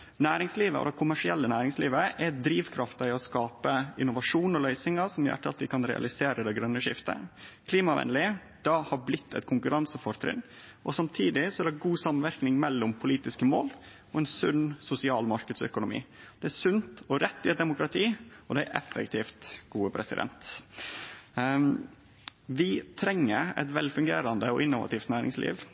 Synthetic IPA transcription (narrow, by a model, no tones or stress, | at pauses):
næːɾɪŋsliːʋə̰ɔ̰d̪ɛkʰʊmæʂɪɛlːənæːɾɪŋsliːʋəʔɛd̪ɾiːʋkʰɾɑft̪ɪɔskɑːpəɪnːʊʋɑʂuːnɔlœʏsɪŋɑsɔmjæ̰ʈːəɑ̰lt̪ɪkʰɑnɾɛ̰ɑ̰lɪseːɾəd̪ɛɡɾœnːəʂɪft̪ə̰kʰliːmɑʋɛ̰nlɪ | d̪̥ɑhɑɾblɪt̪ʰːɛ̰t̪kʰʊŋkʉɾɑnsəfɔɾt̪ʰɾɪ̰n | ʔɔsɑmt̪ʰiːd̪ɪsɔæɾɛɡuːsɑmənʋæɾknɪŋmɛlːɔmpʰʊliːt̪ɪskəmo̰ːl | ɔɛːnsʉnsʊsɪɑːlmɑɾkəd̪sœ̰kʊnʊmḭː | d̪̥ɛæsʉnt̪ɔɾɛt̪ːɪɛt̪̚d̪ɛmʊkɾɑt̪ʰiːɔd̪æʔɛ̰fə̰k̚t̪ʰiːft̪ɡ̥uːəpʰɾɛsɪ̰d̪ɛ̰nt̪ | ʋɪt̪ʰɾɛŋːəɾɛ̰t̪ʋɛlfʉŋɡeːɾɑnd̪əɔʔɪnːʊʋɑ̰t̪ʰiːft̪næːɾɪ̰ŋslʔḭːʋ